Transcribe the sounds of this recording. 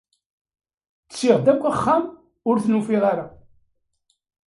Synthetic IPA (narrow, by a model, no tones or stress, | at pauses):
t͡ssiʁd̪ækʷːæχːam | ʊɾθnufiʁaɾa